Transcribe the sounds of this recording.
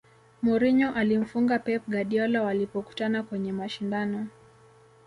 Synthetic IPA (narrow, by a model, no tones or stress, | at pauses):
mɔɾiɲɔʔalim̩fuŋɡapɛp̚ɡaɗiɔlawalipɔku̥tanakwɛɲɛmaʃindanɔ